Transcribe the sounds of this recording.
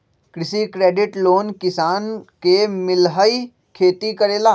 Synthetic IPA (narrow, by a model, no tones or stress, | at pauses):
kɾɪsikɾeːɖɪʈloːnkɪsaːnkemɪlɦəi | kʰeːt̪ikɐɾeːlaː